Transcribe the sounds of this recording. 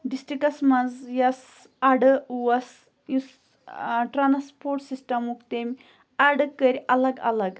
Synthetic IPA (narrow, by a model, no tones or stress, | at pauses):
ɖisʈɾikɐsmɐzjɐs | aɽəuwɐs | jis | ʈɾanspoɾʈsisʈɐmukt̪emʲ | aɖəkːəɾʲɐlɐɡɐ̰lɐɡ